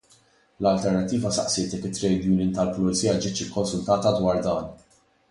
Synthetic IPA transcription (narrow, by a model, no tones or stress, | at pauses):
lɐlt̪ɛɾnɐt̪ːiːvɐsɐ̰ʔsɪːt̪jɛkːɪt̪ːɾɛjd̪juːnɪnt̪ɐlplʊɛt͡siːjɐd͡ʒɪːt̪t͡ʃɪkːɔnsʊlt̪ɐːt̪ɐd̪wɐːɾd̪ɐːn